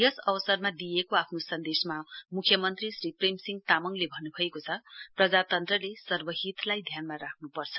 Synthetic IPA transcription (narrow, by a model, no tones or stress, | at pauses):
jʌsʌwʌsʌrmad̪ijekoapʰnosʌnd̪esmamukʰjʌmʌnt̪risripremsiŋɡt̪amʌŋlebʱʌnːubʱʌekot͡sʰʌprʌd͡zat̪ʌnt̪rʌlesʌrbʌɦit̪lajd̪ʱjanmaɾakʰnupʌrt͡sʰʌ̥